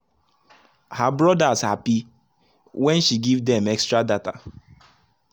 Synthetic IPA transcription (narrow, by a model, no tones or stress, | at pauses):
habɹɔdaz̥hapi | wɛ̃nʃiɡivdɛ̃mɛkstɹadata